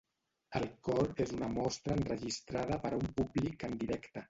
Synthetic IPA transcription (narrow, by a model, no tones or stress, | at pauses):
əlˠkɔɾezunəmɔst̪ɾəːnrəʒist̪ɾað̞əpəɾumpublikənd̪iɾɛkt̪ə